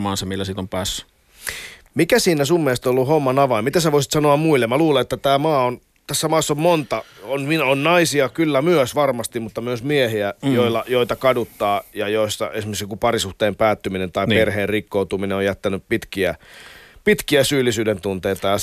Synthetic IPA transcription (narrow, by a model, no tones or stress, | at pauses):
mɑːnsɑmilːæsit̪ompæːsːy̥ | mikæsiːnæsumːeːst̪olːuhomːɑnɑʋɑimmit̪æsæʋoisi̥t̪sɑnoɑmmuilːemmæluːleet̪ːæt̪æːmɑːon | t̪æsːæmɑːsːommont̪ɑonmionnɑisiɑkylːæmyøsʋɑrmɑst̪immut̪ːɑmyøsmiehiæjoilːɑjoit̪ɑkɑdut̪ːɑːjɑjoist̪ɑ̰esimeksikupɑrisuht̪eːmpæːt̪ːyminent̪ɑierheːrrikːout̪umineojæt̪ːænyppit̪kiæpit̪kiæsyːlːˑisyːdent̪unt̪eit̪ɑjɑ